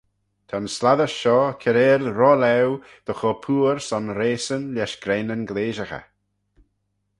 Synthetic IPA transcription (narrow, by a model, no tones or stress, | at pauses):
t̪ʰanslaðəʃʃɔːkʰɛɾeːlɾɔlɛw | d̪̥əxɔpʰuːɾsɔnɾeːsənlɛʃɡ̥ɾɛnənɡleːʒəxə̰